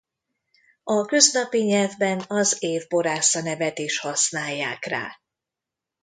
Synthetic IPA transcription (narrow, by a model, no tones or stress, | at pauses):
ɒkø̞znɒpiɲɛlvbɛnɒzeːvbo̞ɾaːsɒnɛvɛt̪iʃhɒsnaːjːaːkra̰ː